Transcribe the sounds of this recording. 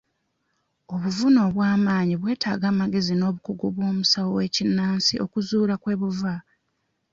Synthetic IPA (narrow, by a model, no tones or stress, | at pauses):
o̞βuvuno̞βwaːmaːɲiβwe̞ːtaːɡaːmaɡe̞zino̞ːβukuɡoβwo̞ːmusawowe̞ːcinːaːnsiʔo̞kuzuːlakwe̞ːβuva